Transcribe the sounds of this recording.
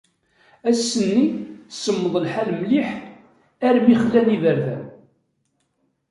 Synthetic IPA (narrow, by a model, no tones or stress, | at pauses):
æsːənːisəmːəðˤəlħalmliħ | æɾmiχəlːænivəɾðæ̰